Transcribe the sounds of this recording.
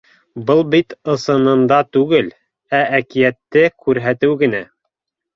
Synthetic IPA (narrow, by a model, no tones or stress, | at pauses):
bɤlˠbit̪ɤ̆sɤ̆nɤ̆nd̪ɑt̪ʉɡɘl | æækijæt̪ːɘkʉɾɦæt̪ɘwɡɘ̆næ